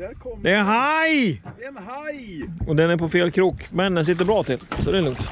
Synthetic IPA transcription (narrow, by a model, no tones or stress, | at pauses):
d̪ɛːɦaj | ɔd̪ɛnæɾpʰɔfeːlkʰɾuːkmɛnd̪ɛnsɪt̪̬ːəɾbɾɑːt̪ʰɪlːsɔd̪ɛːlɵŋt̪